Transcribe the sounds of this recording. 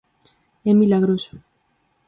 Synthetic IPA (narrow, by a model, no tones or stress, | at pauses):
emilaɣ̞ɾoso̥